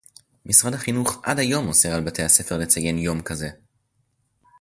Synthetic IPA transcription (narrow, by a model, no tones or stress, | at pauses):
misʁadhaχinuχʔa̰dajo̞mose̞ʁalbate̞jhase̞fe̞ʁle̞t͡saje̞njo̞mkaze̞